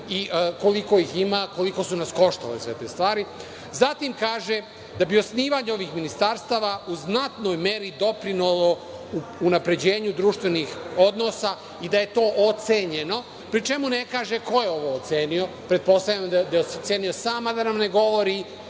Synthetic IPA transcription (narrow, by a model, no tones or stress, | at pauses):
iʔko̞liko̞iximako̞liko̞sunasko̞ʃt̪alesʋe̞t̪e̞̰ːst̪ʋaːɾi | zat̪imkaːʒe | d̪abio̞sniːʋaːɲeo̞ʋixminist̪aɾst̪aːʋauznat̪no̞jme̞ɾid̪o̞pɾinulo | uunapɾe̞d͡ʑe̞ːɲud̪ɾuːʃt̪ʋenixo̞d̪no̞sa | id̪aje̞t̪o̞ːʔot̪seɲe̞no̞ | pɾit͡ʃemune̞kaːʒeko̞jeo̞ʋoːt̪se̞ːnijo̞ | pɾe̞t̪̚po̞st̪avʎamd̪ad̪aet̪seːnijo̞saːmad̪anamne̞ɡo̞ʋo̞ɾi